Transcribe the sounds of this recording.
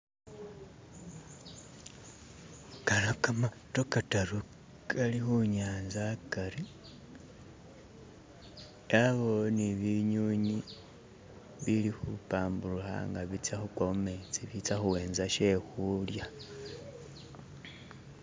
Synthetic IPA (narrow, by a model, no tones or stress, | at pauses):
kalakamatokataɾu | kalixuɲaːnzakaɾi | aβo̞niβiɲuɲi | βilixupaːmbuluxa̰ŋɡaβit͡saxukwaumet͡siβit͡saxuweːnzaʃexulja